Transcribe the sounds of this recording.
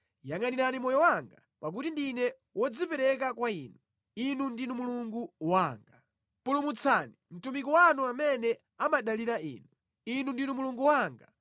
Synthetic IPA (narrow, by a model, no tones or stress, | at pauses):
jaŋaniɾanimɔjɔwaŋɡa | pak̬utindinɛ | wɔd͡zipɛɾɛk̬akwainu | inundinumuluŋɡuwaːŋɡa | pulumut͡sʰanim̩tumikɔwanuamɛnɛ | amaɗaliɾaḭːnu | inundinumuluŋɡuwaːŋɡa